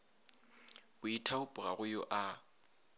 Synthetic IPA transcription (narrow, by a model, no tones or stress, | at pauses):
ʊitʰaʊpʼʊɣaɣʊjʊʔa